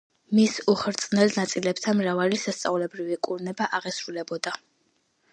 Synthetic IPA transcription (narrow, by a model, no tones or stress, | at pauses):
misuχɾt̪sʼnɛlnat̪sʼilɛpt̪ʰanmɾavalisast̪sʼavlɛbɾivikʼuɾnɛbaʔaʁɛsɾulɛbɔd̪a